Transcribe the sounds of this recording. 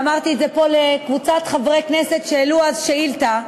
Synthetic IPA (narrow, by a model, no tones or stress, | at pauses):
maʁt̪iezepo̞lekvut͡sat̪χavʁeknese̞t̪ʃeːluazʃeilt̪a